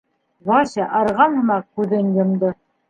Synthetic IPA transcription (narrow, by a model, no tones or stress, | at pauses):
βɑɕɑʔɑɾʁɑnhɤ̆mɑqkʉðɘnjŏmd̪ɤ